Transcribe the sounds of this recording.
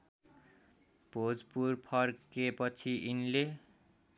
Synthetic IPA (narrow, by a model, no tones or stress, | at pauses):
pod͡zpurpʰʌrkepʌt͡sʰiʔinle